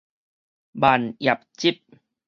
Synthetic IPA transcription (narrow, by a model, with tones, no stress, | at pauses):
baː˨˩nja˨˩p̚t͡ɕi˦˥˩p̚